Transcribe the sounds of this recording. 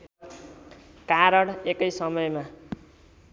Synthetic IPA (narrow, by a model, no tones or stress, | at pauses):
kaɾʌɽekʌjsʌmʌjma